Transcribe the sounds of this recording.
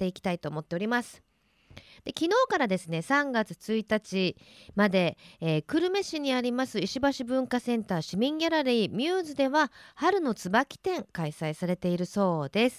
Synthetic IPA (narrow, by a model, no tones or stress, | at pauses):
e̞ikʲi̥t̪ait̪o̞ːmo̞t̪ːe̞o̞ɾʲimasɨ̥ | d̪̥e̞kʲino̞ːkaɾad̪e̞sɨne̞sãŋɡat͡sɨ̥t͡sɨit̪at͡ɕimad̪e̞ːkɯ̟ɾɯ̟me̞ɕiɲ̟iaɾʲimasɨiɕibaɕibɯ̟̃ŋkasẽ̞nt̪aːɕimʲĩŋɡʲaɾaɾʲiːmʲjɯːzɨd̪e̞βahaɾɯ̟no̞t͡sɨbakʲi̥t̪ẽ̞ŋkaisaisaɾe̞t̪e̞iɾɯ̟so̞ːd̪e̞sɨ̥